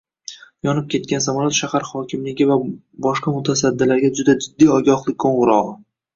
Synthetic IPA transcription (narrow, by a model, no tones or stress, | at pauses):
jɒnɪp̚kʲʰe̞t̪̚kʲansamɒlat̪ʃahaɾχɒkʲʰɪmlɪɡʲɪva | bɒʃqɑmʊt̪ʰas̬ad̪ːɪlaɾɡʲad͡ʒʊd̪ad͡ʒɪd̪ːijɒɡʲɒχlˠɪkʲʰkʰoɴʁɨɾɒʁ